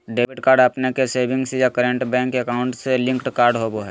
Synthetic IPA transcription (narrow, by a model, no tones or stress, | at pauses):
ɖeːbɪʈkaːɾɖəpnekeseːbʱɪ̃ŋɡsejakəɾə̃ɳʈbɛ̃ːŋkːeəkaːʊ̃ɳʈselɪ̃ŋkʈkaːɾɖɦoboɦɛː